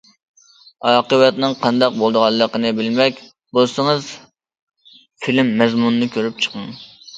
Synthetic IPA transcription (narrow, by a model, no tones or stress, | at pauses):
ɑːqəwɛt̪nɨŋqʰɑnd̪ɑq̚bolˠd̪əʁɑlˠːəqənɨbɪlmɛkʲ | bosəŋɨz | filmːɛzmunnɨkʲʰøɾyp̚t͡ʃʰə̥qəŋ